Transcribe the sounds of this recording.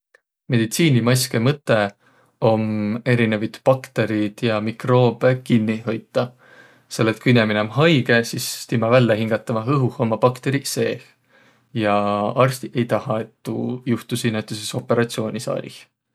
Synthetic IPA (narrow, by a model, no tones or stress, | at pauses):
me̞d̪̥it̪siːnimɑjske̞mɤt̪ːˑe̞ | o̞me̞ɾine̞vid̪̥pɑkt̪e̞ɾid̪̥jɑmikro̞ːb̥e̞kinːiɦo̞jt̪ˑːɑ | se̞lːet̪̚ˑkujinemineomɦɑjɡe̞sisst̪imɑvælːeɦiŋɡ̥ɑt̪ːˑɑmɑɦɤɦuho̞mːɑpɑkt̪e̞ɾise̞ːh | jɑɑrst̪iʔe̞jt̪ɑhɑe̞t̪ːṵjuht̪usinːet̪ːˑyseso̞pːˑe̞ɾɑt̪sio̞ːnʲisɑ̰ːɾʲḭh